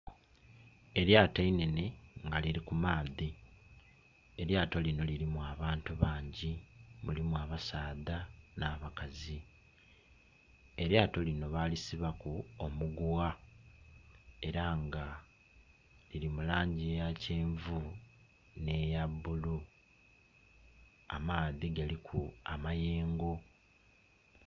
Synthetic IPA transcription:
e̞ɾjaːtainene̞ŋɡaliɾikumaːði | e̞ɾjaːto̞lino̞liɾimuaβaːntuβaːɲɟimulimwaβasaːðanaːβakazi | e̞ɾjaːto̞lino̞βaːlisiβakuomuɡwa | e̞ɾaŋɡa | liɾimulaːɲɟiejace̞ːɱvu | ne̞jabːulu | a̰maːðiɡalikʰuamaje̞ːŋɡo

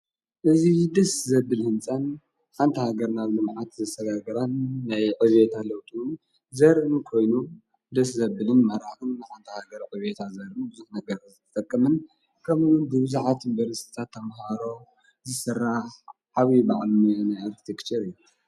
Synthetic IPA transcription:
ʔɨzid̪ɐszɐbːɨlhɨnt͡sʼan | ħant̪ʰɐhaɡɐɾnaβlɨmʕat̪zɐst̪ʰɐɡaɡɐɾanːajʕɨβet̪ʰalɐwt̪ʰun | zɐɾɨnkʰo̞jnu | d̪ɐszɐbɨlɨnmɐɾaxɨnːajħant̪ʰɐhaɡɐɾʕɨβet̪ʰazɐɾɨnbɨzuħnɐɡɐɾzɨt̪ʰɐ̥t̪ʼɐkʼːɐmɨn | kʰɐmʔunbɨβɨzuʕat̪ɨmbɐɾɨst̪ʰi̥t̪ʰat̪ʰːɐmɦaɾo̞ | zɨsɨrːaħ | ʕaβiba̰ʕlunnajaɾki̥t̪ʰekt͡ʃʰɐɾɨjːu

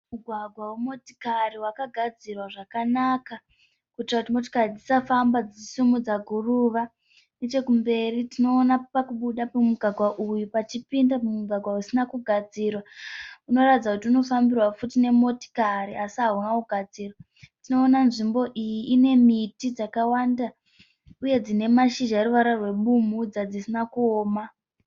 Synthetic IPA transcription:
muɡʱwaɡʱwawemo̞ti̥kariwakaɡʱad͡zirwaʐakanaka | kutirakutimo̞t̬i̥karid͡zisafambad͡ziisumud͡zaɡʱuruʋa | ndet͡ʃe̞kumbe̞ritino̞ːnapakuɓuɗapumuɡʱwaɡʱwaʔujupat͡ʃipindamumuɡʱwaɡʱwausinakuɡʱad͡zirwauno̞ratid͡zakutiuno̞fambirwafutine̞mo̞ti̥kaɾiasiɦaɦunakuɡʱad͡ziːrwa | tino̞ːnanʐimbo̞ʔijiʔine̞mitid͡zakawanda | uje̞d͡zine̞maʃiʒaɾuʋaɾarwe̞ɓumud͡zad͡zisinakuoːma

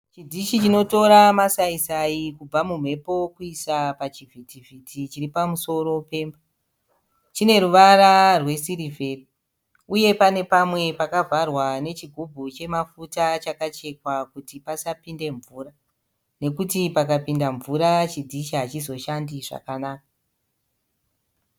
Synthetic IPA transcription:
t͡ʃidʱiʃit͡ʃino̞to̞ɾamasaisaikub͡vamum̤e̞po̞kuisapat͡ʃivʱitivʱitʰit͡ʃiripamuso̞ɾo̞pe̞ːmba | t͡ʃine̞ɾuʋaɾarwe̞siɾive̞ri | uje̞pane̞pamwe̞pakavarwane̞t͡ʃiɡʱub͡vʱut͡ʃe̞mafutat͡ʃakat͡ʃe̞kwakutipasapinde̞ɱvuːra | ne̞kutipakapindaɱvuɾat͡ʃid͡ziʃaɦat͡ʃizo̞ʃandiʐa̰kanaːk̚a

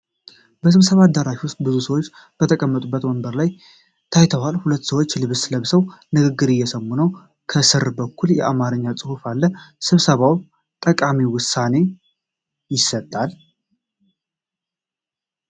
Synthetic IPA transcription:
bəsɨβsəβad̪ːəɾaʃiwʊst̪̚ʼbɨzusəwot͡ʃː | b̥ət̪ʰəkʼəmːət̪ʼubːət̪wɔmbəɾlaj | t̪ʰajt̪ʰəwalhulət̪ːsəwot͡ʃːlɨβsləβsəwnɨɡɨɡːɨɾɨjːɛsəmːunəw | kʰəsɨɾbəkʰːuljɛʔamaɾɨɲːat͡sʼɨhufalːəsɨβsəβaw | t̪ʼəkʼamiwʊsːane̞ | jɪsət̪ʼːal

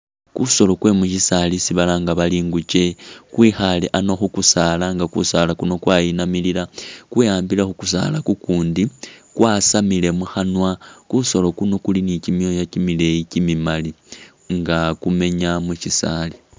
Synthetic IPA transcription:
kuso̞lo̞kwe̞muʃisalisiβalaŋɡaβaliːŋɡut͡ʃe̞kwixaleʔano̞xukusalaŋɡakṵsalakuno̞kwajinamililakwijaːmbilaxukusa̰lakukuːndikwʔasamile̞muxanwakuso̞lo̞kuno̞kulinicimjo̞jacimile̞icimimali | ŋɡakume̞ɲamuʃisali

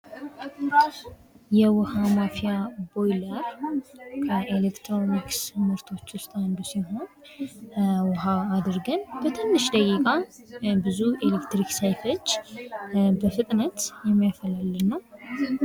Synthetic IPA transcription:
jɛwʊhamafijabo̞jləɾ | kʰəʔelekt̪ʰɾo̞niksɨmɨɾt̪ʰo̞t͡ʃːwʊst̪ʼand̪usiɦo̞n | wʊɦaad̪ɨɾɡənbət̪ʰɨnːɨʃd̪əkʼikʼa | bɨzuelekt̪ɾiksajfo̞t͡ʃː | bəfɨt̪ʼnət̪jɛmːijafəlalːɨnːəw

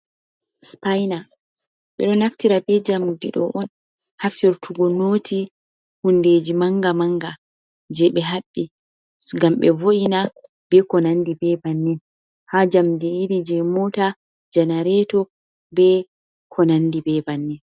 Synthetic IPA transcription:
spajna | ɓɛ̰ɗɔnaftiɾabɛd͡ʒamudḭɗɔ̰ʔɔn | hafiɾtʰuɡɔnoːti | hunded͡ʒimaŋɡamaŋɡa | d͡ʒɛɓɛɦaɓːi | ɡamɓɛvoʔina | b̥ɛkɔnandibɛbanːin | had͡ʒamdiːɾid͡ʒɛmɔta | d͡ʒanaɾɛtɔ | bɛ | kʰɔnandibɛbanːi

